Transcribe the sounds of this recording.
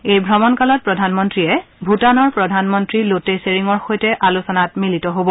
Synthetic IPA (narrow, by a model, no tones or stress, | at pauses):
ejbʱɹɔmɔnkalɔt̚pɹɔdʱanmɔntɹijɛbʱutanɔɹpɹɔdʱanmɔntɹiloteseɹiŋɔɹxojtɛʔalusɔnatmilitɔɦobɔ